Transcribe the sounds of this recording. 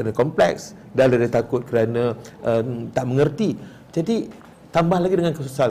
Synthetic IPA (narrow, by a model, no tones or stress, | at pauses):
kɾanãkɔmplɛks | daladat̪akʊt̪̚kəɾanãʔət̪aʔməŋərt̪i | d͡ʒadi | t̪ambahlaɡidəŋankəsusal